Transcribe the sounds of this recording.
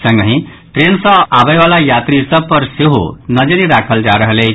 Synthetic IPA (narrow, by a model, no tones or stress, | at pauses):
sʌŋɡʌɦĩ | ʈɾensɔ̃abʌjbalajat̪ɾisʌpɔɾseɦṵnʌd͡ʒʌɾiɾakʰʌld͡ʒaɾʌɦle